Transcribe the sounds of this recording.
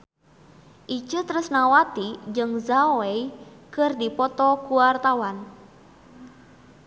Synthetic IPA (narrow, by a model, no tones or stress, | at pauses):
ʔit͡ʃət̪ɾusnawat̪id͡ʒɨŋzaeikɨrdipɔt̪ɔkuwart̪awan